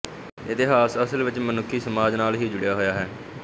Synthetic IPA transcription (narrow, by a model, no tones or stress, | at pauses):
ɪt̪ɪɦaːsəsəlʋɪt͡ʃmənʊkʰːiːsəmaːd͡ʒnaːlɦiːd͡ʒʊɽejaːɦojaːɦɛː